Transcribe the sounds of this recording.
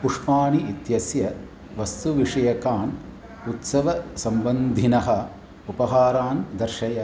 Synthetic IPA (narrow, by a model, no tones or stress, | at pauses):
puʂpaːɳiʔit̪jɐsjɐ | ʋɐst̪uʋiʂɐjɐkaːn | ut̪sɐʋɐsɐmbɐnd̪ʱinɐɦɐ | upɐɦaːɾaːnd̪ɐɾʃɐjɐ